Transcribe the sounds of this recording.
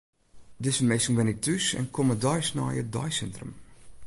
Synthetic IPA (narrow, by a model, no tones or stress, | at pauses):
dɪsənmesəŋʋɛnitʰysɛ̰nkʰomədɔjsnɔ̰jədɔjsɛntrə̰m